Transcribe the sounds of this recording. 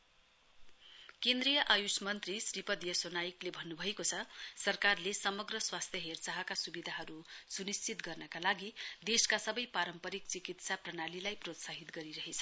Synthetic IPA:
kẽnd̪rijʌʔajusmʌnt̪risripʌd̪jʌsonajiklebʱʌnːubʱʌekot͡sʰʌsʌrkarlesʌmʌɡrʌswast̪ʰjʌɦert͡saɦʌkasubid̪ʱaɦʌɾusunist͡sit̪ɡʌrnʌkalaɡid̪eskasʌbʌjpaɾʌmpʌɾik̚t͡sikit̪saprʌnalilajprot̪saɦit̪ɡʌɾiɾʌɦet͡sʰʌ̥

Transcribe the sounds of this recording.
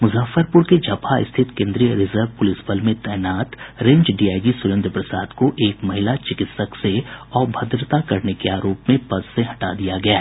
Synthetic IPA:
mʊzaːfəɾpʊɾked͡ʒʱɐpʰaɪ̰st̪ʰɪt̪kẽːnd̪ɾijəɾɪzəɾʋpʊlɪsbəlmẽt̪ɛːnaːt̪ɾẽːɲd͡ʒɖiːaːɪɖisʊɾɪ̃nd̪ɾpɾəsa̰ːd̪koʔeːkmɐɦɪlat͡ʃɪkɪt̪səkseɔːɾbʱɐd̪ɾət̪akɐɾnekeaːɾoːpmẽpɐsːẽɦɐʈad̪ijaɡɐjaɦɛ

